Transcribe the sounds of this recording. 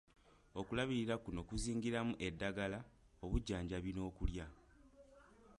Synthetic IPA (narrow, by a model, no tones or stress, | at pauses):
o̞kulaβiɾiɾakuno̞kuziːŋɡiɾamuʔe̞dːaɡala | o̞βuɟːaːɲɟaβino̞ːkulja